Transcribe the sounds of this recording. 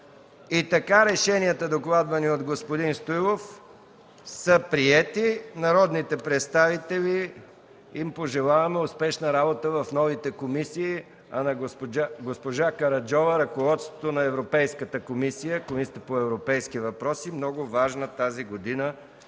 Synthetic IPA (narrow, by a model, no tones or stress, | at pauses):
it̪ɐkaɾɛʃɛniət̪əd̪oklˠad̪vɐniod̪ɡospod̪inst̪ujlˠof | səpɾiɛt̪inɐɾɔd̪nit̪ɛpɾɛt̪st̪avit̪ɛli | impoʒɛlˠavɐmɛʊspɛʃnɐɾabot̪əvɐfnɔvit̪ɛkomisiː | ɐnɐaɡospoʒakɐɾɐd͡ʒɔvəɾɐkovɔt̪st̪vot̪onɐɛvɾopɛjskət̪əkomisijəkomisəpoɛvɾopɛjskivɐpɾɔsimnɔɡʊvaʒnət̪aziɡod̪inə